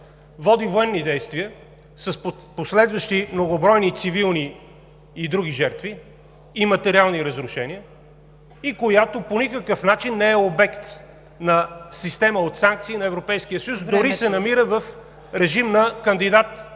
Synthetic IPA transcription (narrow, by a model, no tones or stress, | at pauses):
vɔd̪ivoɛnːid̪ɛjst̪viə | sɐsposlɛd̪vəʃt̪imnoɡobɾɔjnit̪sivilˠniː | d̪ɾuɡ̟iʒɛɾt̪viː | mɐt̪ɛɾialˠniɾəzɾʊʃɛniə | ikojat̪oponikəkəfnat͡ʃinːɛɛobɛkt̪ | nɐsist̪ɛməot̪saŋk̚t̪siːnɐɛvɾopɛjsk̟ijəsəjusd̪ʊɾisɛnɐmiɾəvəf | ɾɛʒimnɐkənd̪id̪at̪